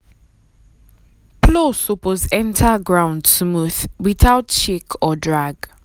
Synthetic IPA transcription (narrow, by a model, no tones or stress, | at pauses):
pʰlosopɔzɛ̃ntʰaɡɹãʊ̃ndsmuθwiθaʊtt͡ʃekʰɔdɹaɡ̥